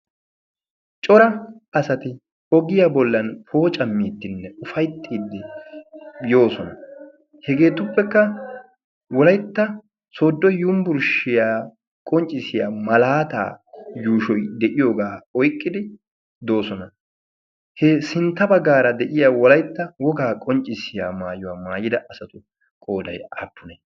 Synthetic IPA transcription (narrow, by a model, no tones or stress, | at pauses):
t͡ʃʼɔɾɐɐsɐt̪ɪ | ɔɡɪjaːbɔlːɐnpʰo̞ːt͡ʃʼɐmːiːt̪ːɪnːɛʊfɐjt̪ʰːiːd̪ːɪ | jo̞ːsɔnɐ̰ | hɛɡe̞ːt̪ʊpːɛkːɐ | wɔlɐjt̪ːɐ | soːd̪ːɔjumbʊɾʃɪjaː | kʼɔnt͡ʃʼːɪsɪjaːmɐlaːt̪a̰ːjuːʃɔjd̪ɛʔɪjo̞ːɡaːɔjkʼːɪd̪ɪ | d̪o̞ːsɔnɐ | hɛsɪnt̪ːɐbɐɡːaːɾɐd̪ɛʔɪjaːwɔlɐjt̪ːɐwɔɡaːkʼɔnt͡ʃʼːɪsɪja̰ːmaːjʊwaːmaːjɪd̪ɐʔɐsɐt̪ʊ | kʼo̞ːd̪ɐ̰ja̰ːpːʊnɛ